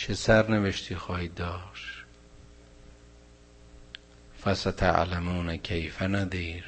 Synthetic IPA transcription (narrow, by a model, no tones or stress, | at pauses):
t͡ʃʰesæɾneveʃt̪ʰiːxɒːhiːd̪ːɒːʃ | fæsat̪ʰa̰ʕlamuːnækʰejfænæd̪iːɾ